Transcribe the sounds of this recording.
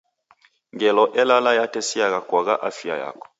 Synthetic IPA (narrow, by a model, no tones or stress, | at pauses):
ŋɡɛlɔʔɛlalajatɛsiaɣakwaɣaʔafia̰ja̰kɔ̥